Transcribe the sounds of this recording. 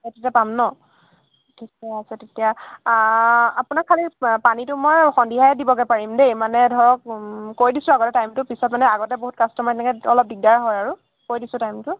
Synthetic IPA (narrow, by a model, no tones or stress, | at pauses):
etitɛapamnɔ | tʰikɛasʰatetija | apʊnakʰːalipanitʊmojxɔndiɦajɛdibɔɡɛpaɹimdejmanɛdʱɔɹɔk̚kːoɹidisʊ̃aɡɔtɛtajmtʊpisɔtmanɛaɡɔtɛboɦut̚kastɔmatɛnɛkɛɔlɔp̚diɡ̚daɹɦɔjaɹu | koɹjdisʊ̃tajmtʊ